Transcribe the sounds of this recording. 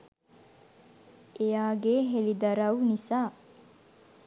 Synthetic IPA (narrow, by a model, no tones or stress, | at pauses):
ejaːɡeːɦelid̪ɐɾɐwnisaː